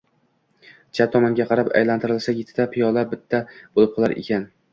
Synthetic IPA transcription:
t͡ʃʰat̪ʰɒmaŋɡʲaqʰɑɾapa̰jlant̪ʰɪɾɪlˠsaɡʲɪt̪ʰt̪apʰijɒlˠabɪt̪ʰːab̥olˠɪp̚qʰɒlˠaɾḛkʲʰan

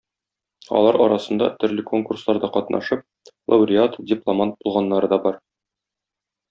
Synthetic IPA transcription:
ɒ̰lˠɑɾɒɾɑsɤ̆nd̪ɑ̰t̪ɵ̆ɾlɘko̞ŋkurslˠɑɾd̪ɑqɒt̪nɑ̰ʃɤp̚ | lˠɐ̰uɾʲɪat̪dʲɪplˠomant̪̚bulˠʁɑnːɑɾɤd̪ɒbɒɾ

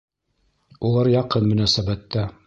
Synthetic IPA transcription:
ulˠɑɾjɑqɤnmɵ̆næsæbæt̪ːæ

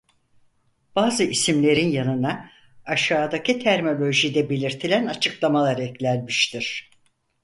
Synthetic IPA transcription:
b̥aːzɯisimlʲe̞ɾinjanɯnaː | ʃaːd̪acit̪ʰæɾmo̞lʲo̞ʒid̪ɛbe̞lʲiɾt̪ʰilʲænat͡ʃʰɯklˠamalˠaɾɛclʲælʲmiʃt̪ʰiɾ̥

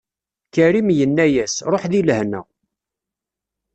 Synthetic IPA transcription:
kəɾimjənːæjæsɾˤoħðilhnæ̰

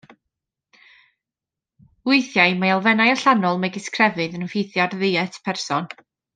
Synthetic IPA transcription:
ʊɨθjajmajalˠvɛnajaɬanɔlˠmaɡɪskʰrɛvɨðənɔfejθjadðɪɛtʰpʰɛrsɔn

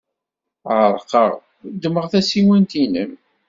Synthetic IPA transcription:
ʕəɾˤqəʁ | d̪ːəməʁθæsiwənt̪inəm

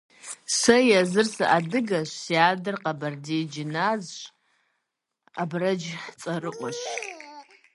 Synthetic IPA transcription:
sɐjazɨrsaʔadɨɡaʃʷsjaːdɨrqabɐrdid͡ʒɪnazʃ | abrɐd͡ʒt͡sʼɐrɨʔʷɔʃ

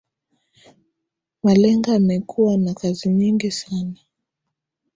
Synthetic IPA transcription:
malɛŋɡaːmɛkʰuwanakaziɲiŋɡisana

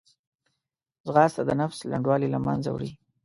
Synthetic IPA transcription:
zɣɑst̪ad̪ənafslaɳɖwɑlilama̰nza̰wɽi

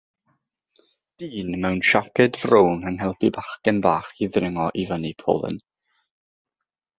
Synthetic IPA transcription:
d̥iːnmɛwnʃakɛdvrownənɦɛlˠpʰibaχkənbaːχiðrɪŋɔʔivənipʰo̰ːlˠə̰n

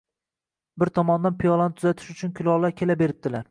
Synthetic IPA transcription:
bɪɾt̪ʰɒmɒnd̪anpʰijɒlˠanɪt̪ʰʊzat̪ʰɪ̥ʃʊt͡ʃʰʊnkʲʰʊlˠɒlaɾkʲʰe̞labe̞ɾɪp̚d̪̥ɪlaɾ

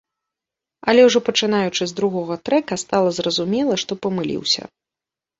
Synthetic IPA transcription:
ɐlʲɛwʐɔpɐt͡ʂɨn̪ajut͡ʂɨzʲd̪ɾuɣɔɣɐt̪ɾɛkɐst̪alˠɐzrɐzumʲɛlˠɐʂt̪ɔpɐmɨlʲḭwsʲɐ̰

